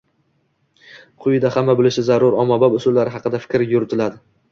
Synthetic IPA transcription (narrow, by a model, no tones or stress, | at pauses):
qʰʊjɪd̪ahamːabɪlɪʃɪzaɾʊɾɒmababʊsʊlːaɾɪɦɑqɨd̪afɪ̥kʲɾɪjʊɾɪt̪ʰɪlad̪ɪ